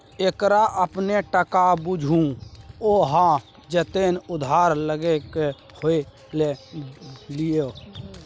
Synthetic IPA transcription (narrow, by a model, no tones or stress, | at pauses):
ekɾaʔəpneʈəkabʊd͡ʒʱũoːɦã | d͡ʒɛt̪enʊd̪ʱaːɾləɡeke | hoe | le | lijo